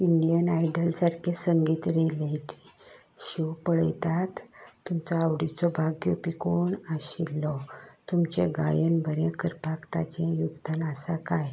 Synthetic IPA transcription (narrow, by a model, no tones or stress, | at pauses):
iɳɖijənajɖəlsaɾkʰesəŋɡiːt̪ɾeleʈi | ɕuwpəɽəjt̪at̪ː | umt͡sɔawɽit͡sɔbʱaɡjɔpikoɳaɕilːɔt̪umt͡ɕḛɡajənbʱəɾẽkəɾpakt̪at͡ɕɛ̃juɡd̪ʱanasakaj